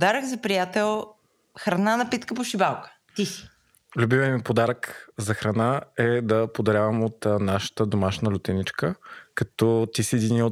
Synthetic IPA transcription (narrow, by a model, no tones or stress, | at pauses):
pd̪aɾəɡzɐpɾijat̪ɛlˠ | xɾɐnanɐpit̪kəpoʃibalˠkə̥ | t̪isi̥ | lʲubimɛnmipod̪aɾəkzɐxɾɐnaɛd̪ɐpod̪ɐɾʲjavəmot̪naʃə̥t̪əd̪omaʃnəlʲʊt̪ɛnit͡ʃkəkɐt̪ɔt̪isiɛd̪inio